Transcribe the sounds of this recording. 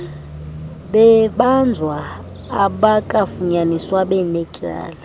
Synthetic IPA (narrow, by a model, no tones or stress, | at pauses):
ɓɛɓand͡zʱwaː | ɓakʼafuɲaniswaɓɛnɛkʼa̰ːla